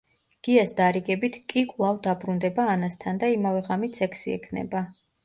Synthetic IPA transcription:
ɡ̥iasd̪aɾiɡɛbit̪ʰkʼikʼwlˠavd̪abɾund̪ɛbaːnast̪ʰand̪aimavɛʁamit̪ʰsɛkʰsiɛ̰kʰnɛ̰ba

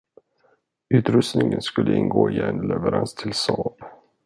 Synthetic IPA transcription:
ʉ̟ːt̪ɾɵst̪nɪŋənskɵlːəɪnːɡoːɪɛnlɛvəɾanst̪ʰɪlsɑːb

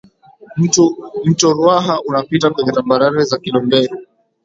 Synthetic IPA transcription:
m̩tɔɾwaɦaʔunapitakwɛɲɛtambaɾaɾɛzakilɔmbɛɾɛ

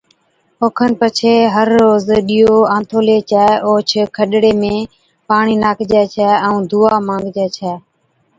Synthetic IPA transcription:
oːkʰənpət͡ʃʰeːɦəɾːoːzɗiːoːãːnt̪ʰoːleːt͡ʃɛːoːt͡ʃʰkʰəɗɽeːmẽː | paːɳiːnaːkʰd͡ʒɛːt͡ʃʰɛːɛ̃ũːd̪ʱuːaːmãːŋɡd͡ʒɛːt͡ʃʰɛː

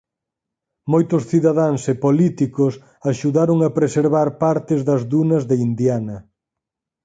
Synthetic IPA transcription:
mojt̪ʊsθiðaðaŋsepolit̪ikʊs | aʃuðaɾoŋɐpɾeseɾβaɾpaɾt̪ɪzðɐzðunɐzðeind̪janɐ

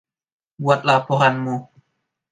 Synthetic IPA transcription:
buat̪̚lapɔɦanmu

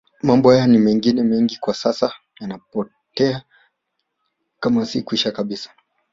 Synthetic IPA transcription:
mambɔhajanimɛŋɡinɛmɛŋɡikwasasa | janapɔ | tɛa | kamasikwiʃakaɓisḁ

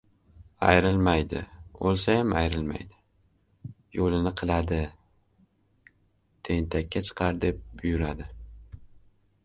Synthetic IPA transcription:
a̰jɾɪlmajd̪ɪ̰olˠsajamajɾɪlma̰jd̪ɪ̥ | jolɪnɪqʰɨlˠad̪ɪ | t̪ʰe̞nt̪ʰakʲːat͡ʃʰɨ̥qʰɑɾd̪e̞p̚bʊjʊɾad̪ɪ

